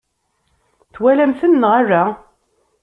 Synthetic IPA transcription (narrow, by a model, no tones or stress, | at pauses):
θwælæmθənːəʁarːa